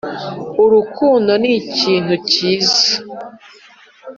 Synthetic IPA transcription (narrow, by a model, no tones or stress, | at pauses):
uɾukuːndo̞niciːn̥huciːza